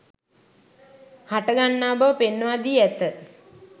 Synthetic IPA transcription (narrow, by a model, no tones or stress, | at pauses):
haʈəɡanːaːbəpenːəʋad̪iːæt̪ə